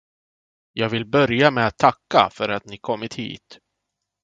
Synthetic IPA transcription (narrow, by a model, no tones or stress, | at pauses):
jɑːɡvɪlbœɾjamɛat̪ʰːakːa̰fœɾat̪nɪkʰɔmːɪt̪hḭːt̪